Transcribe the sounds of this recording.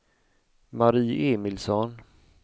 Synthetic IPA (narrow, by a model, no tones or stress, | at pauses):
maɾiːʔeːmɪlsɔn